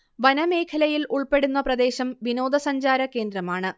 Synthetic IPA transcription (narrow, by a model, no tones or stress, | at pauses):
ʋɐnɐme̞ːkʰɐlɐjiluɭpe̞ɽunːɐprɐd̪e̞ːɕɐmʋino̞ːd̪ɐsɐɲd͡ʑaːɾɐke̞ːnd̪rɐmaːɳɨ